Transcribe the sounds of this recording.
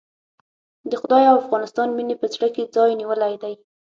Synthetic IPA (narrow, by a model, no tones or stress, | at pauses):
d̪əxʊd̪ɑjawafɣɑnɪst̪ɑnminepəzɽaked͡zɑjniwəlajd̪aj